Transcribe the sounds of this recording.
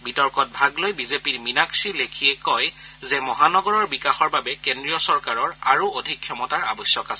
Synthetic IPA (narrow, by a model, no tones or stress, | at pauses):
bitɔɹkɔt̚bʱaɡlojbizepiɹminaksilekʰijɛkɔj | zɛmɔɦanɔɡɔɹɔɹbikaxɔɹbabɛkendɹijɔsɔɹkaɹɔɹaɹuodʱikʰːjɔmɔtaɹa̰bɔsjɔkas